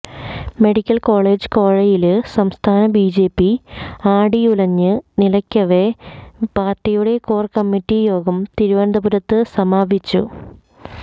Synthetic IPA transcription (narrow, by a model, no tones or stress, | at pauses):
me̞ɽikʲːɐlko̞ːɭe̞ːd͡ʑɨ̥koːɻɐjilɨsɐmst̪ʰaːnɐbiːd͡ʑe̞ːpːiaːɽiulɐɲːɨnilɐkʲːɐʋepaːrtːijuɽe̞koːrkɐmːitːijo̞ːɡɐmt̪iɾuʋɐnd̪ɐbuɾɐt̪ːɨsɐmaːbʱit͡ɕːṵ